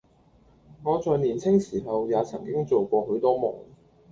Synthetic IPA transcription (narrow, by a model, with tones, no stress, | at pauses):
ŋɔː˨˧t͡sɔː˨jniː˨˩nt͡sʰɪ˥ŋsiː˨˩ɦɐ˨wjaː˨˧t͡sʰɐ̰˨˩ŋkɪ˥ŋt͡so˨wkʷɔː˧ɦɵ˨˥wt̪ɔː˥mɔː˨˩ŋ